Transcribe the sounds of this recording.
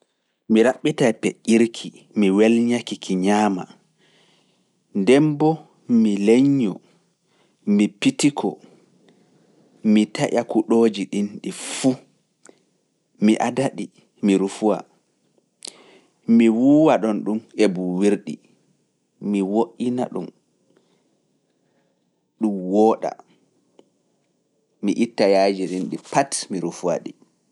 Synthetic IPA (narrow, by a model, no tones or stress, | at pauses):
miɾaɓːitajpeʔʲiɾkʰi | miwɛlɲakikʰiɲaːma | ndɛmbɔ | mileɲːɔ | mipitikʰɔ̰ | mitaʔakuɗoːd͡ʒiɗinɗifu | miʔadaɗi | miɾufuwa̰ | miwuːwaɗɔnɗumebuwiɾɗḭ | miwoʔːina̰ɗum | ɗumwɔːɗa̰ | miʔitːajad͡ʒiɗinɗipatmiɾufua̰ɗḭ